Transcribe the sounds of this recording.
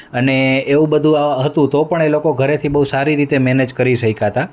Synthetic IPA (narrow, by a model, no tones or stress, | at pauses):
əneːũbəd̪ʱũaɦət̪ũt̪opəɳelokoɡʱəɾet̪ʰibəusaɾiɾit̪emɛned͡ʒkəɾiʃəikat̪a